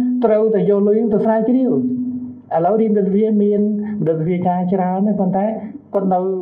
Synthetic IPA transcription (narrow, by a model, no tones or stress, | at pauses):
t̪rəwt̪aɛjɔːhluəjnɨŋt̪əsraːt͡ɕriəw | ʔələwriənɗəsriəmiənmɗok̪̚riət͡ɕaːt͡ɕraənːɨhpont̪aɛkŏət̪̚nɨw